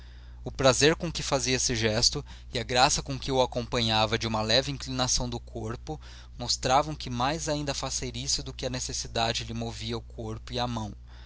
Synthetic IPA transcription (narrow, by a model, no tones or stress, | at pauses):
ʊpɾazeɾkõkɪfaziɐesɪʒɛst̪ʊ | ɪɐɡɾasɐkõkɪʊakõpɐ̃ɲavɐd͡ʒɪũmɐlɛvɪĩŋklinasɐ̃w̃d̪ʊkʰoɾpʊ | most̪ɾavɐ̃w̃kɪmajzaĩnd̪ɐfaseɾisʊd̪ʊkɪɐnesesid̪a̰d͡ʒɪlɪmoviɐʊkʰoɾpʊiɐmɐ̃w̃